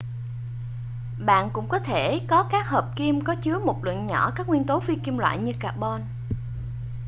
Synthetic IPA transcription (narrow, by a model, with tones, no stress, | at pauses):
ɓa̰ː˧˨nkʊ̰˧˥ŋ͡mkɔ˨˦t̪ʰe˧˩kɔ˨˦kaː˦˥k̚ɦəː˨˩p̚ki˧mkɔ˨˦t͡ɕɨ˨˦əmo˨˩t̚lwɨ̰˧˨ənɲɔ˧˩kaː˦˥k̚ŋwi˧ənt̪o˨˦fi˧ki˧mlwa̰ː˧˨jɲɨ˧kaː˨˩k̚ɓɔ˧n